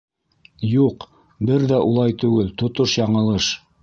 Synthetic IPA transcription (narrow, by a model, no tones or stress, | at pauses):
juq | bɘɾðæʔulˠɑjt̪ʉɡɘlt̪ŏt̪oʃjɑɴɤ̆lˠɤʃ